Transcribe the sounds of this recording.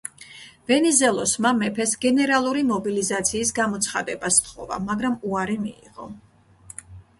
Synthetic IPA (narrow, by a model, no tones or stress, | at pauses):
v̥ɛnizɛlˠɔsmamɛpʰɛsɡɛnɛɾalˠuɾimɔbilizat̪sʰiːsɡamɔt̪sʰχa̰d̪ɛbast̪ʰχɔ̰va̰maɡɾamuaɾimiḭʁɔ̰